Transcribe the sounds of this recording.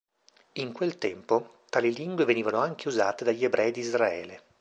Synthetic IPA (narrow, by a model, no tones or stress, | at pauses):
iŋkwelt̪ɛmpot̪aːliliŋɡweveniːvanoaŋk̟euza̰ːt̪ed̪aʎːiebɾʔɛjd̪izraɛ̰ːle